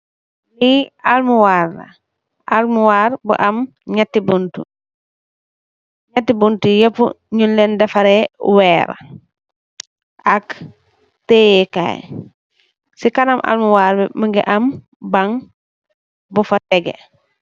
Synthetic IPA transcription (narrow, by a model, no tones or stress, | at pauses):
lialmuwaɾːa̰ | ʔalmuwaɾbṵʔɐm | ɲatːibuntṵ | ɲatːibuntujɐpṵ | ɲunlɛndɐfɐɾewɛːɾa̰ | ak | tejɛka̰j | sikanamʔa̰lmuwaːɾbɛməŋɡḭʔɐm | bɐŋ | bufɐtɛɡḛ